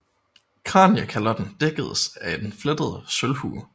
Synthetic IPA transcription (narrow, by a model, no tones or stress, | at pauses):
kʰʁɑ̰̈ːnjəkʰælɐd̥n̩d̥eɡ̥əð̞̩ˠsæd̥enfled̥əð̞ˠəsølhṵː